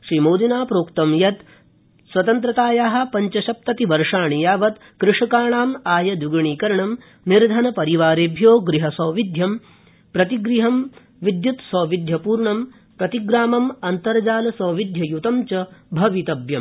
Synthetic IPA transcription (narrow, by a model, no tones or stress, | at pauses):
ʃɾiːmoːd̪inaːpɾoːkt̪ɐmjɐt̪ | sʋɐt̪ɐnt̪ɾɐt̪aːjaːɦɐ̆pɐɲt͡ʃɐʃɐp̚t̪ɐt̪iʋɐɾʂaːɳijaːʋɐt̪ | kɾɪʂɐkaːɳaːmaːjɐd̪uɡɐɳiːkɐɾɐɳɐm | niɾd̪ʱɐnɐpɐɾiʋaːɾeːbʱjoːɡɾiɦɐsɐːʋid̪ʱjɐm | pɾɐt̪iɡɾiɦɐm | ʋid̪jut̪sɐːʋid̪ʱjɐpuːɾɳɐm | pɾɐt̪iɡɾaːmɐmɐnt̪ɐɾd͡ʒaːlɐsɐːʋid̪ʱjɐjut̪ɐmt͡ʃɐbʱɐʋit̪ɐbjɐm